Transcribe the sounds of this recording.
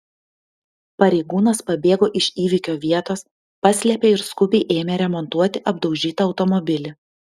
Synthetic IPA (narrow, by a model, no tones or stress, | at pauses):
pɐɾʲɛɪɡuːnɐspɐbʲeːɡoːʔɪʃʲiːʋʲɪkʲoːʋʲiɛt̪oːs | pɑsʲlʲɛpʲeɪɾskʊbʲɛɪʔeːmʲeɾʲɛmɔnt̪uɔt̪ʲɪʔɐb̚d̪ɒʊʒʲiːt̪ɐɐʊt̪ɔmɔbʲɪlʲɪ